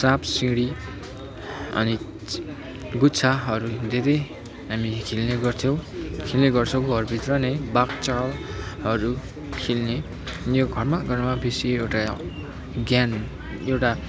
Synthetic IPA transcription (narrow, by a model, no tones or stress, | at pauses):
sapsiŋɡɽi | ʌ̰ni | ɡut͡sʰaɦʌɾud̪eɾʌj | ɦamikʰilneɡʌrt̪ʰjõw̃kʰilneɡʌrt͡sʰʌ̃koɡʱʌrbʱit̪rʌnʌjbakt͡salɦʌɾu | kʰilne | joɡʱʌrmaɡʌrmabesiewʈa | ɡjan | ewʈa